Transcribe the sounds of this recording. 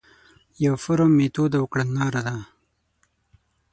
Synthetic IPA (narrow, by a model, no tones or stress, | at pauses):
jawfʊɾomet̪od̪awʊkɽanːɑːɾad̪a